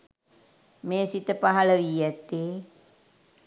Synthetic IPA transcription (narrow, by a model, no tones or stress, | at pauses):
meːsit̪əpaɦaləʋiːæt̪ːeː